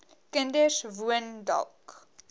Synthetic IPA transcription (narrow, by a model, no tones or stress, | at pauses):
kəndəsvuəndɐ̰lˠk